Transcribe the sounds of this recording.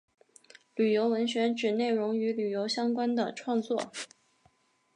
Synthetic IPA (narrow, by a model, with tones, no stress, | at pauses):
ly˨˩jo˧˥ʊwə˧˥nɕɥɛ˧˥ʈ͡ʂɻ̩˨˩ne˥˩ɪɻʊ˧˥ŋy˧˥ly˨˩jo˧˥ʊɕjɑ˥ŋkwa˥nd̪ə˨ʈ͡ʂʰwɑ˥˧ŋt͡swɔ̰˥˩